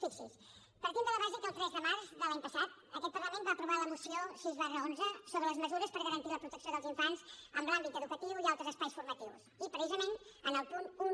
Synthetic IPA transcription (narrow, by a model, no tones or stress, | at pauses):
fiksḭs | pəɾk̪ind̪əlˠəβaʒikəlˠt̪ɾɛzðəmaɾzðəlaɲpəsat̪̚ | əkɛt̪̚pəɾləmẽnbaːpɾuβaləmusiosiəzβarəonzəsoβɾələzməzuɾəspəɾɣəɾənt̪iləpɾut̪əksioðəlˠziɱfanzəmblambit̪əðukət̪iwialˠt̪ɾəzəspajsfuɾmət̪iwsipɾəsizəmenənəlˠpunu